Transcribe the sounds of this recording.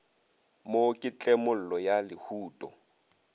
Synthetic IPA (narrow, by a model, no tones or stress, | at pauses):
mokʼɪt͡ɬʼɛmʊl̩lɔjalɪhuːtʼɔ̰